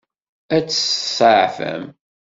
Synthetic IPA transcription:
æt͡sːsəʕfə̰m

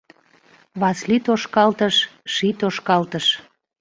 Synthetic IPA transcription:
βɑslit̪oʃkɑlt̪əʃʃit̪oʃkɑlt̪əʃ

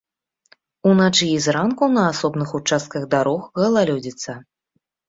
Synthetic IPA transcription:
unat͡ʂɨizɾankunɐasɔbnɨxut͡ʂast̪̚kɐɣd̪aɾɔxɣɐlˠalʲɔd͡zʲit̪sːɐ

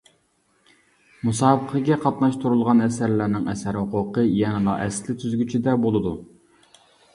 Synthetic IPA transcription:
musɑːbəqʰəɡʲɛqʰɑt̪nɑʃt̪uɾulˠʁɑnɛsæɾlæɾnɪŋɛsæɾhʊqʊqəjɛnɨlˠɑ̰ʔɛslɪt̪ʰyzɡʲyt͡ʃʰid̪ɛbolˠɨd̪u

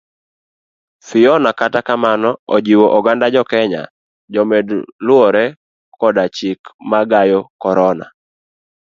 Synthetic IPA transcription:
fɪjɔnakatakamanɔɔ̰d͡ʒiwoʔɔɡandad͡ʒɔkɛɲa̰ | d͡ʒɔmɛdlʊɔɾɛ | kɔdat͡ʃikmaɡajɔkɔɾɔna̰

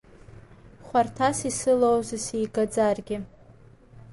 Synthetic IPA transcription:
χʷartʰasisɨlowzɨsijɡad͡zarɡʲɪ

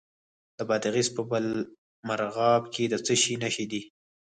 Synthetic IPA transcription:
d̪̥əbɑd̪ɪɣispəbəl | maɾɣɑbkʰed̪ət͡səʃinaʃid̪i

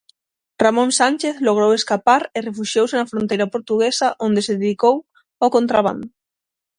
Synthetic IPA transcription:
ramõnsant͡ʃeθloɣ̞ɾoweskapaɾerefuʃjowsenɐfɾõnt̪ejɾɐpoɾt̪uɣesɐʔond̪eseðeðikow | okont̪ɾaβ̞a̰nd̪ʊ

